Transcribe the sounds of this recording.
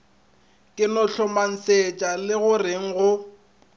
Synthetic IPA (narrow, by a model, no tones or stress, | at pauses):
kʼɪnɔɬɔman̩set͡ʃʼalɪɣʊreŋ̩ɣʊ